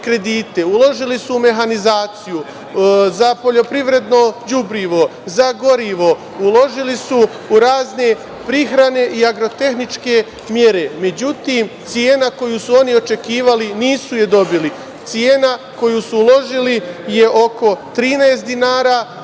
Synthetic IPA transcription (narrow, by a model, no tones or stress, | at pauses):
kɾe̞d̪iːt̪e̞ulo̞ʒilisuume̞ɦanizaːt̪siju | zapo̞ʎo̞pɾiʋɾe̞d̪no̞d͡ʑubɾiʋo̞zaɡo̞ɾiʋo̞ | ulˠo̞ʒilisu | uɾaːzne̞ | pɾixɾane̞ʔiaɡɾo̞t̪e̞xnit͡ʃke̞ | mje̞ɾe̞me̞d͡ʑut̪imt̪sijeːnako̞jusuo̞nio̞t͡ʃe̞kiːʋaliniːsuje̞d̪o̞bili | t̪sijeːnako̞jusuulo̞ʒilijeʔo̞ko̞t̪ɾiːnaest̪d̪inaːɾa